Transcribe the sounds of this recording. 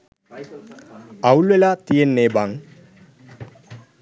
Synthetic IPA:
awluelat̪ijenːebaŋ

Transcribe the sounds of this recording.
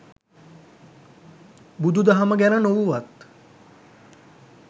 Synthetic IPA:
bud̪ʱud̪aɦaməɡænənoʋuʋat̪

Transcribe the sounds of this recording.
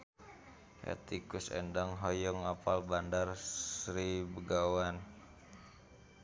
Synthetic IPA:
hɛ̰t̪ikusɛ̰ndaŋɦɔjɔŋapalbandarssɾibəɡawan

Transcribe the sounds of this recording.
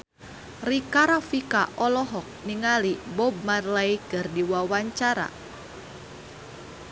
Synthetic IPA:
rikaɾafikaʔɔlɔɦɔk̚niŋalibɔb̚marlaikɨrdiwawaɲt͡ʃaɾa̰

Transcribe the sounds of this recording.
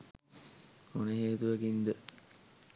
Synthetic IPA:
onəɦeːt̪uʋɐɡind̪ə

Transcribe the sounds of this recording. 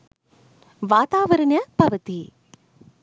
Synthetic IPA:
ʋaːt̪aːʋɐɾɐɳjɐpɐʋɐt̪i

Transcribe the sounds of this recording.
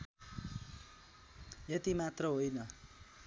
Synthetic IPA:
jet̪imat̪rʌɦojnʌ

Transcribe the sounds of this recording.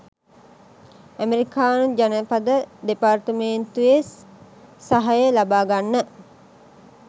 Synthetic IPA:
æmeɾikaːnud͡ʒanəpad̪əd̪epart̪əment̪ues | saɦajəlabaːɡanːə

